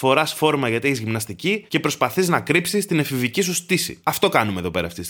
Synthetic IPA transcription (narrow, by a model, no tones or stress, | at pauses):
fo̞ɾɐsfo̞ɾmɐʝɐt̪ieçizʝimnɐst̪icice̞pɾo̞spɐθiznɐkɾipsist̪inefivicis̬ust̪isḭɐft̪o̞kɐnumeðo̞pe̞ɾɐːft̪is